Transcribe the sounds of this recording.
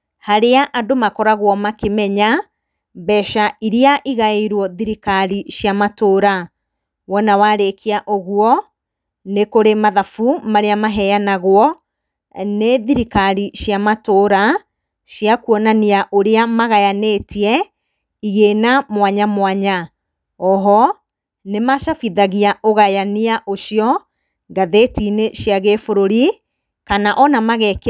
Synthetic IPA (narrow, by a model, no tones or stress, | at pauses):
haɾeaʔadomakɔɾaɣwɔmakemɛɲa | bɛʃaiɾiaʔiɣaeiɾwɔðiɾikaɾiɕjamatoːɾa | wɔnawaɾekʰeaʔoɣwɔ | nekoɾemaðafumaɾeamaɦɛjanaɣwɔ | neðiɾikaɾiɕjamatoːɾa | ɕjakuɔnaniaʔoɾeamaɣajanetiɛ | iɣenamwaɲamwaɲa | ɔɦɔ | nemaʃafiðaɣiaoɣajaniaʔoʃiɔ | ɡaðetineɕjaɣefoɾoɾi | kanaʔɔnamaɣɛk